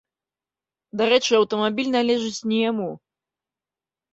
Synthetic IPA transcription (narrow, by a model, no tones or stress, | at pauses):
d̪aɾɛt͡ʂɨɐwt̪ɐmabʲilʲnalʲɛʐɨt͡sʲnʲɛjamu